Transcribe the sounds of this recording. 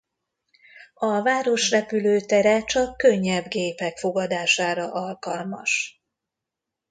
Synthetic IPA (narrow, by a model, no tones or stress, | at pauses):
ɒvaːɾo̞ʃrɛpyløːt̪ɛɾɛt͡ʃɒkːø̞ɲːɛbɡeːpɛkfo̞ɡɒd̪aːʃaːɾɒʔɒlkɒlmɒ̰ʃ